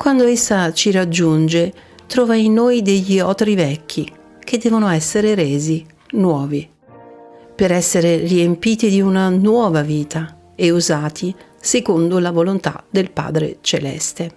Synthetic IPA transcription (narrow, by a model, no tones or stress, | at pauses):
kwand̪oesːat͡ʃiɾad͡ʒːund͡ʒe | t̪ɾɔːvainːojd̪eʎːiɔːt̪ɾivɛkʰːi | k̟ed̪ːɛːvonoɛsːeɾeɾeːzi | nwɔːvi | peɾɛsːeɾeriempiːt̪id̪iunanwɔːvaviːt̪a | euzaːt̪ʰi | sekond̪olavolont̪a̰d̪elpa̰ːd̪ɾḛt͡ʃḛlɛ̰st̪e